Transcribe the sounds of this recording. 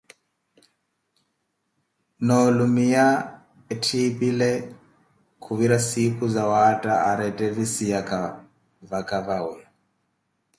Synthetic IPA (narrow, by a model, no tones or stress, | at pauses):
nɔlumija | ɛtʰipʼilɛ | kʰuβiɾasikʰʼuzawatʼaaɾɛtʼɛvisijakʼa | vakʼavauja